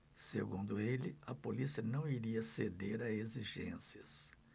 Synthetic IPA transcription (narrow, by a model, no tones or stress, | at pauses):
sḛɡũnd̪ʊelɪɐpolisiɐnɐ̃w̃iɾiɐsed̪eɾaeziʒḛ̃siɐs